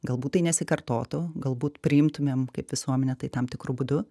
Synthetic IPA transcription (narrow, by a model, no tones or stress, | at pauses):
ɡɐlˠbuːt̪t̪ːɐɪnʲɛsʲɪkɐrt̪oːt̪ʊɡɐlˠbuːt̪pʲɾʲɪɪmt̪ʊmʲeːmkɐɪpʋʲɪsuɔmʲɛnʲɛt̪ɐɪt̪ɐmt̪ʲɪkɾʊbʊd̪ʊ